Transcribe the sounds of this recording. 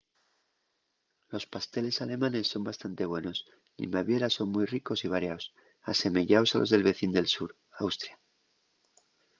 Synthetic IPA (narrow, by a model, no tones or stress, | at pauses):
lo̞spast̪e̞le̞sale̞mãne̞sːo̞mbast̪ant̪e̞β̞we̞no̞s | nḭmaβje̞ɾaso̞nmujriko̞siβaɾjaos | ase̞me̞ʝaosa̰lʔo̞zðe̞lβe̞θind̪e̞lsuɾ | awst̪ɾja